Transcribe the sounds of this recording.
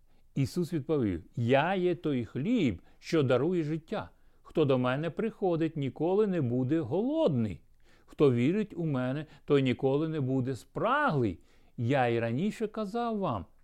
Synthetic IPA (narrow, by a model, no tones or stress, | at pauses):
isusʋʲid̪̚pɔʋʲḭwjajɛt̪ɔjxlʲibʃt͡ʃɔd̪ɐɾujɛʒɪtʲːa̰ | xt̪ɔd̪ɔmɛnɛpɾɪxɔd̪ɪtʲnʲikɔlˠɪnɛbud̪ɛɦɔlˠɔd̪nɪ̰j | xt̪ɔʋʲiɾɪtʲʊmɛnɛt̪ɔjnʲikɔlˠɪnɛbud̪ɛspɾɑɦlˠɪ̰j | jaiɾɐnʲiʃɛkɐzɑwːɑm